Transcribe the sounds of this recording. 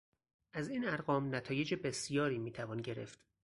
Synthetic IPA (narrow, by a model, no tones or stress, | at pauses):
ʔæziːnæɾɣɒːmnæt̪ʰɒːje̞d͡ʒebe̞sijɒːɾiːmiːt̪ʰævɒːnɟe̞ɾe̞̰ft̪